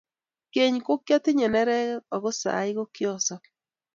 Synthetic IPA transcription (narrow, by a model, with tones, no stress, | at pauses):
ke˨ɲko˦kjɔ˦tɪ˦ɲɛ˨nɛ˦ɾɛ˦ɔ˨ɡo˦sa̰˨ɪ˦ɡo˦kjɔ˦sɔ˦